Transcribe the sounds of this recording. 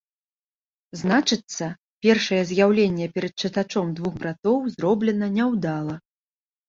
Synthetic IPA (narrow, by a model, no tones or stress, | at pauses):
znat͡ʂɨt̪sːɐ | pʲɛrʂɐjɛzjawlʲenʲːɛpʲɛɾɐt̪̚t͡ʂɨt̪at͡ʂɔmd̪vuxbɾat̪ɔwzɾɔblʲɛnɐnʲɛwd̪alˠɐ